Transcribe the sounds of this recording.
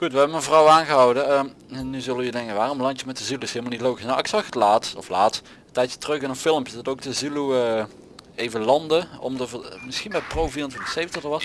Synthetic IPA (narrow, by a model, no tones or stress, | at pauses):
χutʋəɦɛbəməvrɔwaːnɣəɦɔwdənənyzɵlˠəjydɛŋkənʋaːrɔmlɑntəmɛt̚əzyluɪsɦeːlˠmlˠnitlowɣisnawɪksɑχətlaːtɔflaːt | ətɛjtjə̥tərɵχɪnənfɪlˠəmpjədɑtowk̚dəzyluə | ejvəlɑndəɔ̰mdəvəmɪsxinbɛjprowviːrəntʋɪntə̥xsejvəntəxdəɹʋɑs